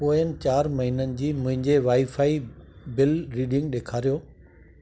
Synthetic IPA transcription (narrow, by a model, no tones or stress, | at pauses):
poːənɪ̆t͡ɕaːɾmɐɦinənɪ̆d͡ʑiːmʊ̃ɦɪ̃ɲd͡ʑeʋaːifaːibɪlɾiːɖɪ̃ŋɡɗeːkʰaːɾijoː